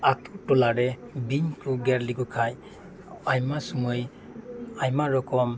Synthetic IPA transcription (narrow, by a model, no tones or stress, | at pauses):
ak̚tʰutɔlaɾɛ | binkuɡɛɾliɡɔkʰaj | ajmasumɯj | ajmaɾɔkɔm